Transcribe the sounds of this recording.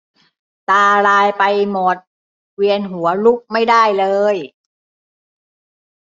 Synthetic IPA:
t̪aː˧ɾaː˧jpa˧jmo˨˩t̪̚ | wi˧ənɦu˩˦ɐlu˦˥˩k̚ma˥˩jdaː˥˩jlɤː˧j

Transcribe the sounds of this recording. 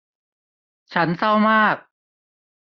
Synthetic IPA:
t͡ɕʰa˦˥nsa˥˩wmaː˥˩k̚

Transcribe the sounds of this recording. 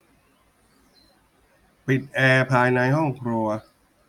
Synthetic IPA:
pi˨˩t̪̚ʔɛː˧pʰaː˧jna˧jhɔ˥˩ŋkʰɾu˧ɐ

